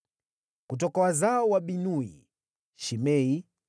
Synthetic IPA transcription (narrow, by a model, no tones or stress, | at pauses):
kut̬ɔkawazaɔwaɓinuḭ | ʃimɛi